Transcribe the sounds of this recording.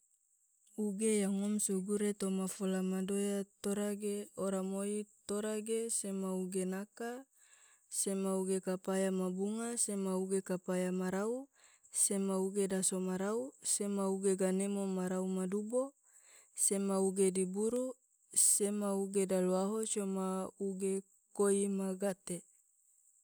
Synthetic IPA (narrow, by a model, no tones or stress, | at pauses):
uɡejaŋɔmsuɡuɾet̪omafolamadojat̪oɾaɡeoɾamoit̪oɾaɡesemauɡenaka | semauɡekapajamabuŋasemauɡekapajamaɾau | semauɡedasomaɾausemauɡeɡanemomaɾaumadubo | semauɡedibuɾu | semauɡedaluaɦot͡ʃomauɡe | koimaɡat̪e